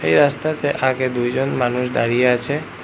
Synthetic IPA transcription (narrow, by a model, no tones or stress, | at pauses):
ejɾast̪at̪eʔaɡed̪ujd͡ʑonmanuʃd̪aɽijeat͡ɕʰe